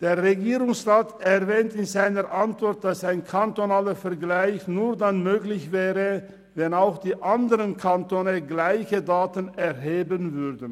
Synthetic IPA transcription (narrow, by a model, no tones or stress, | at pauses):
d̥eːɐʁeɡiːʁʊŋsʁaːtɛʁvɛːntɪnzaɪnəʔantv̥ɔɐt̚d̥asaɪnkʰantonaːləfɛɐɡlaɪçnuːɐdanmøːɡlɪçv̥ɛːʁə | vɛnaʊxd̥iːʔandəʁənkʰantoːnəɡlaɪçədaːtənɛʁɦeːbənvʏɐdən̩